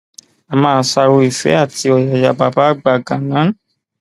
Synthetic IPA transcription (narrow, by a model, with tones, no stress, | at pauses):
a˨mãː˧˦sa˧ɾo˧i˨fɛ̰˨˦a˦˨ti˧ɔ˨ja˨ja˧˨ba˨˧ba˨˦ɡ͡ba˨ɡã˨nã˨˦